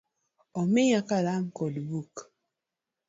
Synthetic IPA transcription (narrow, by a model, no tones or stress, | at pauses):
omejakalaŋ̩kolbuk